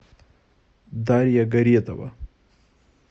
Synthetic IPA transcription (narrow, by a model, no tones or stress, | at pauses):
d̪aɾjaɡaɾijet̪awa̰